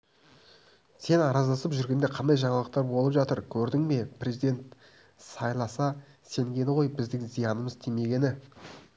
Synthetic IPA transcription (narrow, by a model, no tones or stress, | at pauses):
se̞nɑɾɑzlˠɑsəpʒʏɾɡʲend̪eqʰɑnd̪ɑjʒɑɴɑlˠəqt̪ɑɾbo̞lˠəpʒɑt̪əɾkʲʰɵɾd̪ɪŋme̞pʰrʲezijd̪e̞nt̪ | sɑjlˠɑsɑ | se̞ŋɡʲe̞nɪʁo̞jbɪzd̪ɪŋzijɑnəməzt̪ʰime̞ɡʲe̞nɪ